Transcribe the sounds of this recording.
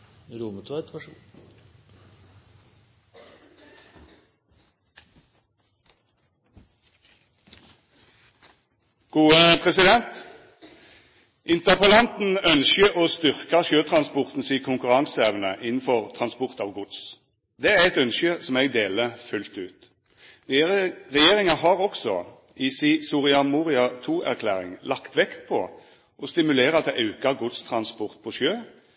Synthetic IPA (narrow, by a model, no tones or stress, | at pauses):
ɾuːmət̪ʰʋot̪ʋæʃṵː | ɡ̥uːəpʰʁɛsɪd̪ɛnt̪ | ʔɪnt̪əʁpəlɑnt̪n̩œnʃəoːst̪ʏʁkɑʃøːt̪ʰɾɑnspɔʁt̪n̩siːkʰʊŋkʉɾɑŋseːʋnəʔɪnn̩fɔʁt̪ʰʁɑnspɔʁt̪ɑʋɡʊd̪s | d̪ɛæʁɛt̪œnʃəsɔmɛɡd̪eːləfʉlt̪ʉːt̪ | ʁɛjeːɾɪŋɑɦɑʁɔksɔ̰ | ʔisiːsʊʁɪɑmuːʁɪɑt̪ʰuːʔæ̰ʁkʰlæ̰ːɾɪ̰ŋlɑkt̪ʋɛkt̪̚pʰɔ̰ | ʔɔst̪ɪmʉleːɾəɑt̪d̪ɛʔɑʉkɑɡʊd̪st̪ʰɾɑnspɔʁt̪̚pʰɔʃøː